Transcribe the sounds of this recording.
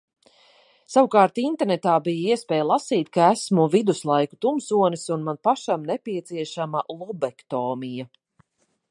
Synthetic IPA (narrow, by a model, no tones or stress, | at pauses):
sawukaːɾt̪int̪ɛɾnɛt̪aːbijaiɛspɛːjlˠasiːt̪̚kaæsmuvid̪uslˠajku̥t̪umsuɔnisunmanpaʃamnɛpiɛt̪siɛʃamalˠubɛkt̪ɔːmija